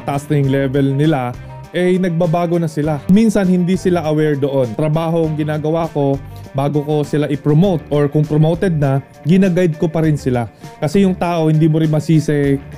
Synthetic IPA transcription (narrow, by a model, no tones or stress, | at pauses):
t̪ɐʔasnɐjʊŋlɛvɛlnɪla | ʔɛjnɐɡ̚babaːɡo̞nɐsɪlaminsɐnhɪnd̪isɪlaʔɐwɛɹd̪oʔo̞nt̪ɾɐbaːɦoŋɡɪnaːɡɐwaːko̞baːɡo̞ko̞sɪlaʔɪpɹomowt̪ʔoɹkʊŋpɾomowt̪ɛd̪̚nɐ | ɡɪnaɡajd̪̚ko̞pɐɾɪnsɪlakɐsɛjʊŋt̪aːʔo̞hɪnd̪iːmoɾɪnmɐsiːsɛ